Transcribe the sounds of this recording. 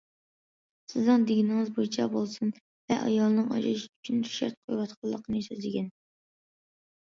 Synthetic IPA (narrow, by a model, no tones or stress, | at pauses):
sɪznɨŋd̪eɡʲinɪŋɨzbojt͡ʃʰɛbolˠsɨn | vɛ̰ʔɑ̰jɑlˠnɨŋɑ̰ʒɑʃy̥t͡ʃʰynt̪ʰy̥ʃɛ̰ɾt̪̚qʰojwɑt̪qʰɑlˠːəqʰənɨsøzlɪɡʲɛn